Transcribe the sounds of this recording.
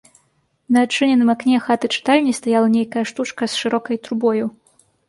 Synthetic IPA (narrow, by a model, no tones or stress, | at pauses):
nɐːt͡ʂɨnʲɛnɨmaknʲɛxat̪ɨt͡ʂɨ̥t̪alʲnʲist̪ajalˠɐnʲejkɐjɐʂt̪ut͡ʂkɐsʂɨɾɔkɐjt̪ɾubɔju